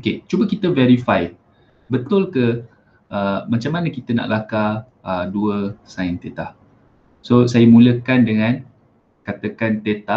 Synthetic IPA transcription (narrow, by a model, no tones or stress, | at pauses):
oket͡ʃubəkit̪əveɾifaj | bət̪ʊlkə | ʔəmat͡ʃamːanəkit̪əna̰ʔlaka | ʔəduəsaɪnt̪et̪ah | sosajəmũləkandəŋãn | kat̪əkant̪et̪a